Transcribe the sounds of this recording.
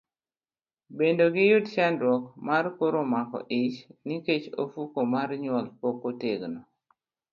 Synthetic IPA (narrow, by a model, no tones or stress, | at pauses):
bendoɡɪjʊdt͡ʃandwɔkmarkoɾomakɔ̰ʔɪt͡ʃniket͡ʃo̰fukomarɲwɔlpokoteɡnɔ